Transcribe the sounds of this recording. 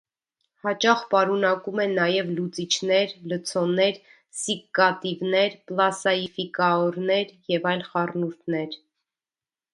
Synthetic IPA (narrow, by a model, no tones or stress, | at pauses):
hɑt͡ʃɑχpɑɾunɑkumɛnːɑjɛvlut͡sit͡ʃʰnɛɾlət͡sʰɔnɛɾ | sikːɑt̪ivnɛɾplɑsɑifikɑɔɾnɛɾjɛvɑjlχɑrnuɾt̪ʰnɛɾ